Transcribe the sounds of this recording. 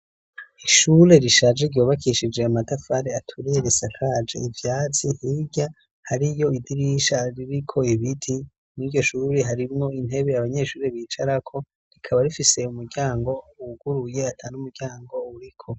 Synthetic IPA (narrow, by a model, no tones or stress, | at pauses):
iʃuɾe̞ɾiʃaːd͡ʒeɾɟoːβakʰiʃid͡ʒe̞amatafaɾeatʰuɾijeɾisakʰad͡ʒḛivjaːt͡sihiɟa | haɾijo̞idiɾiʃaɾiɾikʰo̞iβitʰi | niɟo̞ʃuːɾeɦaɾimŋo̞in̥e̞βe̞aβaɲe̞ʃuːɾe̞βiːt͡ʃaɾakʰo̞ | ɾikʰaβaɾifise̞umuɾɟaːŋɡo̞uɡ̥uɾuje̞atʰaːnumuɾɟ̥aːŋɡo̞uɾikʰo̞